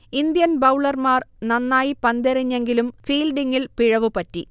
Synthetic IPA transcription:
ind̪jɐnbɐwɭɐrmaːrnɐnːaːjipɐnd̪eriɲːe̞ŋɡilumfiːlɖiŋːilpiɻɐʋupɐtːi

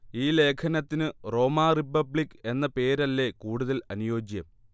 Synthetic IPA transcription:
iːle̞ːkʰɐnɐt̪ːinɨro̞ːmaːripːɐbɭikːe̞nːɐpe̞ːɾɐlːe̞kuːɽuðɐlɐnujo̞ːd͡ʑjɐm

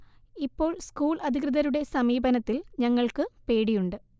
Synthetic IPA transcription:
ipːo̞ːɭskuːɭɐd̪ʱikrɨðɐɾuɽe̞sɐmiːbɐnɐt̪ːilɲɐŋːɐɭkɨpe̞ːɽijuɳɖɨ

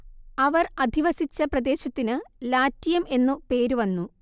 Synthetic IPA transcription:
ɐʋɐrɐd̪ʱiʋɐsit͡ɕːɐprɐd̪e̞ːɕɐt̪ːinɨlaːtːijɐme̞nːupe̞ːɾuʋɐnːu

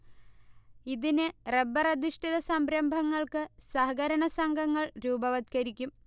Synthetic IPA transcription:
iðinɨrebɐrɐd̪iʂʈʰiðɐsɐmbɾɐmbʱɐŋːɐɭkɨsɐɦɐɡɐɾɐɳɐsɐŋɡʱɐŋːɐɭɾuːbɐʋɐd̪̚kɐɾikʲːum

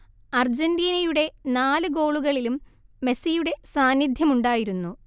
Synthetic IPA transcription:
ɐrd͡ʑendiːnɐjuɽe̞naːlɨɡo̞ːɭuɣɐɭilumːe̞sijuɽe̞saːnjid̪ʱjɐmuɳɖaːjiɾunːu

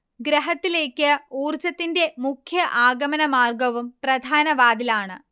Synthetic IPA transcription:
ɡɾɐɦɐt̪ːile̞ːkʲːɨuːrt͡ɕɐt̪ːinde̞mukʰjɐʔaːɡɐmɐnɐmaːrɡɐʋumprɐd̪ʱaːnɐʋaːd̪ilaːɳɨ̰

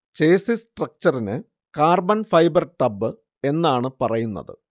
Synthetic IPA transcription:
t͡ɕeːsisʈrɐk̚t͡ɕɐrinɨ | kaːrbɐnfɐjbɐrʈɐbːɨ | e̞nːaːɳɨpɐrɐjunːɐ̰ðɨ̰

